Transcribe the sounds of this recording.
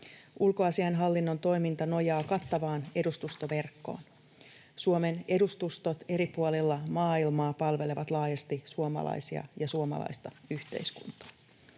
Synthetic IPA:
ulkoɑsiɑjnɦɑlːinːo̞nt̪o̞jmint̪ɑno̞jɑːkɑt̪ːɑʋɑːne̞dust̪ust̪oʋe̞rkːo̞̰ːn | suome̞ne̞dust̪ust̪o̞t̪e̞ɾipuolilːɑmɑːilmɑːpɑlʋe̞le̞ʋɑt̪lɑːjɑst̪isuomɑ̰lɑ̰isiɑ̰jɑsuomɑ̰lɑ̰jst̪ɑyçt̪e̞̰jskunt̪ɑ̥

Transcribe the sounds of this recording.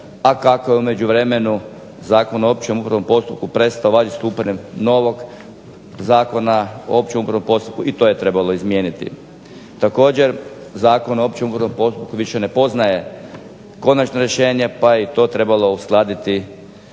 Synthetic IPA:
akako̞jeume̞d͡ʑuʋɾe̞me̞nu | zaːko̞noopt͡ɕemupɾaʋo̞mpo̞st̪up̚kupɾe̞st̪aoʋaːd͡ʒist̪uːpaɲemno̞ʋo̞ɡ | zaːko̞nao̰op̚t͡ɕemupɾaʋo̞mpo̞st̪u̥p̚kuʔit̪o̞ːjet̪ɾe̞balˠo̞izmje̞ːnit̪ḭ | t̪ako̞ːd͡ʑe̞ɾzaːko̞noopt͡ɕe̞mupɾaʋo̞mpo̞st̪up̚kuʋiʃene̞po̞znaje̞ | ko̞nat͡ʃnoɾje̞ʃe̞ːɲe̞pajet̪o̞ːt̪ɾe̞balo̞usklˠaːd̪it̪i

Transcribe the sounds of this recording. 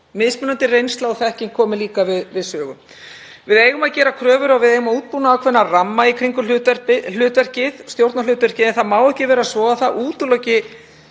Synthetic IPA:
mɪðspmʏnant̪ɪrejnst̪laɔθɛhcɪnkʰɔːmɪliːkavɪðvɪðsœːɣʏm | vɪðeːjɣʏmaðcɛːɾakʰɾœːvʏɾaɣvɪðejɣʏmauːt̪̚puːnaːwkʰvɛnːaramːaikʰɾiŋkʏɛpɪl̥ʏːt̪vɛr̥cɪðst̪jowɾt̪nalʏːt̪vɛr̥cɪðɛnθaðmaːwɛhcɪvɛːɾasvɔːɣaθaʔuːt̪ʏlɔwcɪ

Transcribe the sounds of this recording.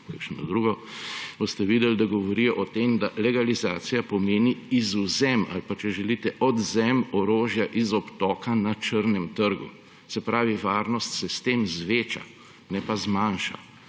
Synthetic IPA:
kakʃnɔ̰d̪ɾuɡɔʋost̪ɛʋiːd̪ɛld̪aɡɔʋɔɾijɔʔɔt̪emd̪alɛɡalizaːsijapɔmeːniːzuzɛma̰lpat͡ʃɛʒɛlit̪ɛʔɔd̪zɛmɔɾoːʒjaʔizɔpt̪ɔːkanat͡ʃəɾnɛmt̪əɾɡṵ | sɛpɾaːʋiʋaːɾnɔst̪sɛst̪eːmzʋeːt͡ʃa̰ | nɛpazmaːnʃa̰

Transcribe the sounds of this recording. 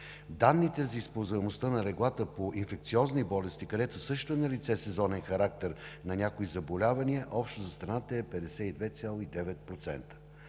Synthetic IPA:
d̪anːit̪ɛzɐispəlˠzvɛmost̪ənɐɾɛɡlˠat̪əpoʔinfɛkt̪siɔznibɔlɛst̪ikɐd̪ɛt̪osɤʃt̪oɛnɐlit̪sɛsɛzɔnɛnxɐɾak̚t̪ɛɾnɐnʲakoizɐbolʲavɐniəʔɔpʃt̪ozɐst̪ɾɐnat̪əɛpɛd̪ɛsɛid̪vɛt̪sʲjalˠoid̪ɛvɛt̪̚pɾot̪sɛ̰nt̪ə̥

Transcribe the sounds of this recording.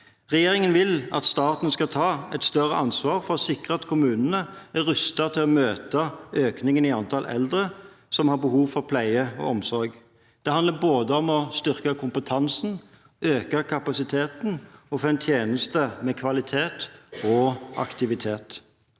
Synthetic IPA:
ʁɛjeːʁɪŋənʋɪlɑ̰t̪st̪ɑːt̪n̩skɑlt̪ʰɑːɛt̪st̪œʁəʔɑnsʋɑːʁfɔʁsɪkʁəɑt̪kʰʊmʉːnənəæɾʏst̪ɑt̪ʰɪlɔmøːt̪ɑøːknɪŋənɪɑnt̪ʰɑlʔɛ̰ld̪ʁə | sɔmhɑɾbəhuːʋfɔʁpʰlæɪəɔ̰ɔmsɔɾɡ | d̪̥ɛhɑnd̪əboːd̪əɔmɔst̪ʏʁkəkʰʊmpət̪ʰɑnsn̩ | øːkəkʰɑpɑsɪt̪ʰeːt̪n̩ɔfɛnt̪ʰjeːnəst̪əmɛkʰʋɑlɪt̪ʰeːt̪ɔʔɑ̰kt̪ɪʋɪt̪ʰeːt̪

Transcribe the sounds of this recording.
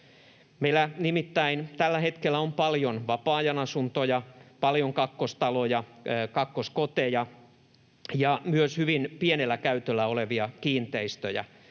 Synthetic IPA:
meilænimit̪ːæint̪ælːæhet̪kelːæompɑljonʋɑpɑːjɑnɑsunt̪ojɑpɑljoŋkɑkːost̪ɑlojɑkɑkːoskot̪ejɑ | jɑmyøshyʋinpienelːækæyt̪ølːæoleʋiɑkiːnt̪eist̪ø̰jæ̰

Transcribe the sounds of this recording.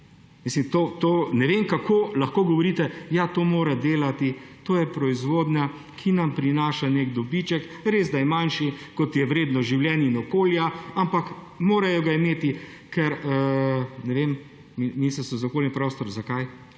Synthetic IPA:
mislimt̪ot̪oːnɛʋemkakʰoːlɐxkoːɡɔʋɔɾiːt̪ɛjat̪oːmoːɾad̪eːlat̪it̪oːjɛpɾɔizʋoːd̪ɲʲa | kʰinɐmpɾinaːʃaneɡd̪ɔbit͡ʃɛk | ɾeːzd̪ajmanʃikɔt̪jɛwɾeːd̪nɔʒiwljɛninɔkoːljaampak | moːɾajɔɡaimeːt̪i | kɛɾənɛʋem | miminisɾsɔzokoːljipɾɔst̪ɔɾzakaj

